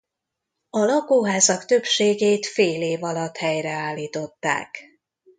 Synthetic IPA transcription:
ɒlɒkoːɦaːzɒkt̪ø̞pʃeːɡeːt̪feːleːvɒlɒt̪hɛjrɛaːlːiːt̪o̞t̪ːa̰ːk

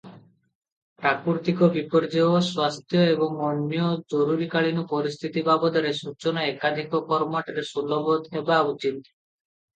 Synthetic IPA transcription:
pɾakuɾt̪ikɔbipɔɾd͡ʒeoswast̪ʰjɔebɔŋɔɳːiɔd͡ʒɔɾuɾikaɭinɔpɔɾist̪ʰit̪ibabɔd̪aɾesut͡ʃɔnɔekad̪ʱikɔkɔɾmaʈɾesulɔbod̪ebaut͡ʃit̪

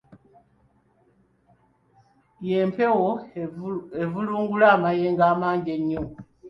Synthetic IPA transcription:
je̞ːmpe̞wo | evuluːŋɡulaːmajeːŋɡaːmaːɲɟe̞ɲːo

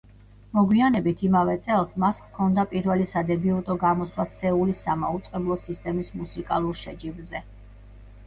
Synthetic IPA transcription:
mɔɡwianɛbit̪ʰimavɛt̪sʼɛlˠsmaskʰɔnd̪apʼiɾvɛlisad̪ɛbiut̪ʼɔɡamɔswasɛulisamaut̪sʼqʼɛblˠɔsist̪ʼɛmismusikʼa̰lˠuɾʃɛd͡ʒibzɛ

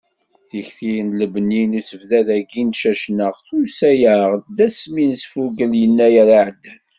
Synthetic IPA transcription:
θiçθijənləbəninuθəvðæðæɡinʃæʃnəʁθusæjəʁd̪æsminsfuɡəljənːæjæɾaʕəd̪ːæn

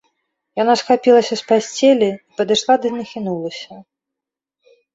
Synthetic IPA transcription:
janasxapʲilˠɐsʲɐspasʲt͡sʲelʲiipɐd̪ɨʂlˠad̪ɨnɐxʲinulˠɐsʲɐ

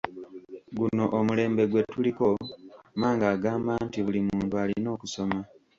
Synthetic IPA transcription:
ɡuno̞ʔomule̞ːmbe̞ɡwe̞tuliko̞maːŋɡaːɡaːmbaːntiβulimuːntualino̞ːkuso̞ma

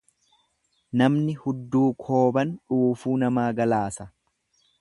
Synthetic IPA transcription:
nɐmnɪhʊd̪ːuːkʰo̞ːbɐnᶑuːfuːnɐmaːɡɐlaːsɐ

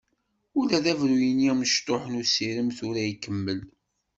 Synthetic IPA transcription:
ʊlæðævɾujəniməʃt̪oħənusiɾəmθʊɾæjikːəmːəl

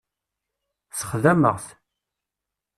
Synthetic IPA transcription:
sə̥χðæmə̰ʁθ

